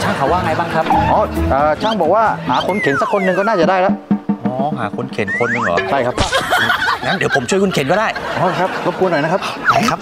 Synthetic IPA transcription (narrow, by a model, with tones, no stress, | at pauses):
t͡ɕaː˧˩ŋfaː˨˩waː˧ŋa˨˧˩jɓa˧ŋxaː˦˥p̚ʔɔ˨˩˦ʔəː˨˩t͡ɕaː˧ŋɓo̰˧˨waː˧˩haː˨˩xnkʰi˨˩˦nsaː˦˥kxo˧nːɨ˧ŋkɔ˨˦naː˧˥jzəː˨˩ɗaː˧jɗaː˧˦ʔɔ˨˩˦ɦaː˨˩xu˧˦nkʰi˨˩ənxo˧nːɨ˧ŋə̰˨˩ɗa˧˩jxaː˦˥pŋa˨˦ɗe˨˩wpʰʊ˨˩ŋ͡mt͡ɕu˧kwnkʰi˨˩ənkɔː˨˧˦ɗaː˧˩jʔɔ˨˦a˧˩xaː˦˥p̚lo˨˦˥p̚knɔ˨˩naː˧˩xaː˦˥p̚na˧˩jxaː˦˥p̚